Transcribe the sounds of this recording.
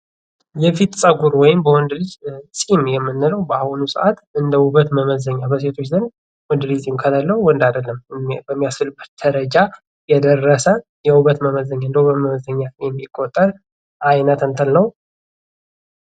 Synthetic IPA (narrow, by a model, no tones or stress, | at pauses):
jɛfit̪sʼəɡuɾwɔjɪmbəwɔnd̪ɨlɨd͡ʒsʼimjɛmːɨnːɨləwbəahunusʼə̰ʔat̪ɨnd̪əuβət̪məməzəɲːabəse̞t̪ʰo̞t͡ʃːd̪ɨn | wɔnd̪lɨsʼimkʰəd̪əlːəuwɔnd̪ad̪əlːəmbəmːijasɨlɨbːət̪̚d̪̥əɾəd͡ʒa | jɛd̪ərːəsə | jɛwuβət̪məməzəɲːaɨnd̪əuβət̪məməzəɲːajɛmːikʼːot̪ʼːəɾ | ʔajnət̪ənt̪ʰəlnəw